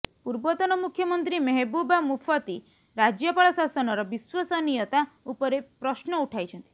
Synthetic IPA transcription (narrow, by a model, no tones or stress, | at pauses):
puɾbɔt̪ɔnɔmukʰjɔmɔnt̪ɾimeɦebubamupʰɔt̪i | ɾad͡ʒjɔpaɭɔsasɔnɔɾɔbiswɔsɔnijɔt̪aupɔɾepɾɔsnɔuʈʰajt͡ʃʰɔnt̪i̥